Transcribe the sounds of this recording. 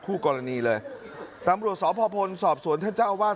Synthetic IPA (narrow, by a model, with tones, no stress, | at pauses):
kʰuː˥˩kɔː˧ɾa˧niː˧lɤː˧j | t̪a˧mɾu˨˩ət̪̚sɔː˩˦pʰɔː˧pʰo˧nsɔː˨˩p̚su˩˦nt̪ʰa˥˩nt͡ɕaː˥˩wwaː˥˩